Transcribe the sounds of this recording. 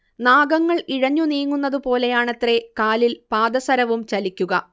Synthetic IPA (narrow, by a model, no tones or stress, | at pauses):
naːɡɐŋːɐɭiɻɐɲːuniːŋːunːɐðupo̞ːle̞jaːɳet̪re̞kaːlilpaːd̪ɐsɐɾɐʋumt͡ɕɐlikʲːuɣɐ